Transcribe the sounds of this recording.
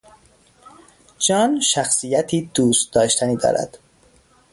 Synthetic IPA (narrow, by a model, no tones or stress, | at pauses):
d͡ʒɒːnʃæxsijæt̪ʰiːd̪̥uːst̪̚d̪ɒːʃt̪ʰæniːd̪ɒ̰ːɾʔæ̰d̪̥